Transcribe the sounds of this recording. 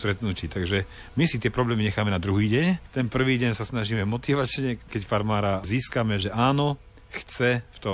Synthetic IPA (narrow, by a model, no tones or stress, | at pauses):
t̪ɾɛt̪nuciːt̪aɡʒɛ | misit̪ɪɛpɾɔblɛːmiɲɛxaːmɛnad̪ɾuɦiːɟɛɲt̪ɛnpr̩ʋiːɟɛɲsasnaʒiːmɛmɔt̪iʋat͡ʃɲɛkɛcfaɾmaːɾaziːskamɛʒɛaːnɔ | xt͡sɛft̪ɔ